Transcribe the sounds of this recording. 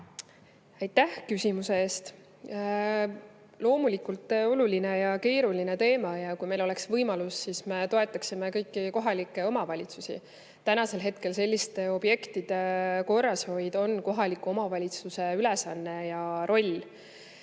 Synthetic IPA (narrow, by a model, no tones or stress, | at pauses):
æjt̪ːæhkysʲimuse̞eːst̪ | lo̞ːmulikult̪ːˑo̞luline̞jɑke̞ːɾuline̞t̪e̞ːmɑjɑkujme̞jlo̞le̞ksvɤjmɑlusːisme̞t̪o̞e̞t̪ːˑɑksimekɤjkːˑiko̞ɦɑlikːˑe̞o̞mɑvɑlʲit̪susḭ | t̪ænɑse̞lɦe̞t̪ke̞lse̞lʲːist̪e̞o̞b̥je̞kt̪id̪̥e̞ko̞rːɑsho̞jd̪o̞nko̞ɦɑlikːˑuo̞mɑvɑlʲit̪suse̞ylesɑnːejɑɾʔo̞lʲː